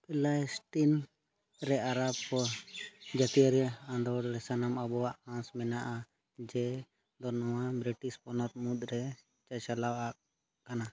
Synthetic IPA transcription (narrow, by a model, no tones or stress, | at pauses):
pɛlajsʈin | ɾɛaɾabɔ | d͡ʒat̪ijaɾɛãnd̪ɔɾɾɛsanamabɔwaʔãsmɛnaʔa | d͡ʒɛ | d̪ɔnɔwabɾiʈispɔnɔt̪̚mut̪̚ɾɛ | t͡ʃat͡ʃalawaʔ | kana